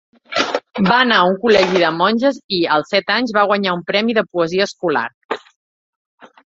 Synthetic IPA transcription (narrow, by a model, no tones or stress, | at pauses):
baənauŋkulɛʒiðəmɔnʲʒəziəlˠsɛt̪aɲzβaɣwəɲaumpɾɛmiðəpuəziəːskula̰ɾ